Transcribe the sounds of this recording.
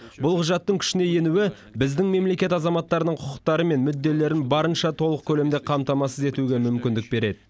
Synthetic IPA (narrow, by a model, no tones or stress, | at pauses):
bʊlˠqʰʊʒɑt̪ːəŋkʲʰʏ̥ʃɪne̞je̞nuwɪ | bɪzd̪ɪŋme̞mle̞kʲe̞t̪ɑzɑmɑt̪ːɑɾənəɴqʰʊqəq̚t̪ɑɾəme̞nmʏd̪ːe̞le̞ɾɪŋbɑɾənʃɑt̪ʰo̞lˠəq̚kʲʰɵle̞md̪e̞qʰɑmt̪ɑmɑsəze̞t̪uɡʲe̞mʏmkʲɪnd̪ɪk̚be̞ɾe̞d̪ɪ